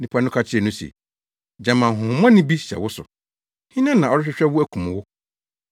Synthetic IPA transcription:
nĩ˦pʰa˦nʊ̃˦kʰa˦t͡ɕʰɪ˦ɛ˨nʊ̃˦sḛ˨ | d͡ʑã˨mã˨ɦʊ̃˨hʊ̃˨mã˦nɪ̃˦bi˦ɕɛ̰˨wʊ˦sʊ̰˨ | hĩ˦nã˦nã˨ɔ˨ɾɪ˦ɕᶣɪ˦ɕᶣɛ˦wʊ˦æ˦kʰũ˨m̃˨wʊ˦

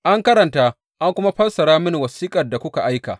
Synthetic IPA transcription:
ʔa˦ŋkɐ˦ɾɐ˨ntaː˦ | ʔa˦ŋkʷʊ˦ma˦ɸɐ˦lsɐ˨ɽaː˦mɪ˦ni˨wɐ˨siː˦kʼɐ˨rda˨kʷʊ˦ka˨ʔa˦jka̰ː˨

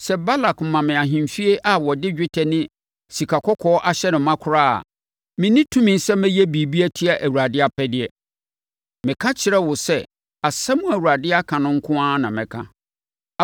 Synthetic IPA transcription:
sɛ˦ba˦la˨km̩˨mã˨mɪ̃˨a˨ɦĩ˨m˨fi˦e˦ʔa˨wɔ˨dɪ˦d͡ʑᶣɪ˦tʰɛ˨nɪ̃˦ | si˨kʰa˨kʰɔ˦kʰɔː˦ʔa˦ɕɛ˦nʊ̃˨mã˦kʰʊ˦ɾaː˦˨a̰˨ | mɪ̃˨nĩ˦tʰũ˦mɪ̃˨n̩˦sɛ˦mɛ̃˦jɛ˦bi˨bi˦æ˦tʰi˦a˨ʔæ˨wu˨ɾa˨dɪ˦a˦pʰɛ˦dɪ˦ɛ˦ | mɪ̃˨kʰã˦t͡ɕʰɪ˨ɾɛ˦wʊ˨sɛ˦ | a˨sa˦mũ˦æ˨wu˨ɾa˨dɪ˦a˦kʰã˨nʊ̃˦ŋ̩˦kʰʊ̃˦ã˦nã˨mɪ̃˨kʰã˦˨

